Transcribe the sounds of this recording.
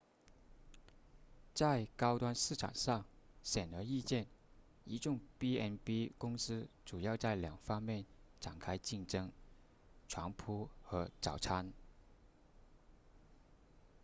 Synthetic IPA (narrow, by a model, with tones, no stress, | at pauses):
t͡sa˥˩ɪkɑ˥ʊt̪wa˥nʂɻ̩˥˩ʈ͡ʂʰa̰˨˩ŋʂɑ˥˩ŋɕjɛ˨˩nə˧˥i˥˧t͡ɕjɛ˥˩n | i˧˥ʈ͡ʂʊ˥˩ŋpi˥ɛ˥npi˥kʊ˥ŋsɹ̩˥ʈ͡ʂu˨˩jɑ˥˧ʊt͡sa˥˩ɪljɑ˨˩ŋfɑ˥ŋmjɛ˥˩nʈ͡ʂa˨˩nkʰa˥ɪt͡ɕi˥˩ŋʈ͡ʂɤ˥ŋ | ʈ͡ʂʰwa˧˥ŋpʰu˥xɤ˧˥ʈ͡ʂɑ˨˩ʊʈ͡ʂʰa˥n